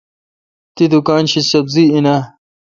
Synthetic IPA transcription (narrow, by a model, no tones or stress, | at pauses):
t̪id̪ukaːnɕisɐbziinɐ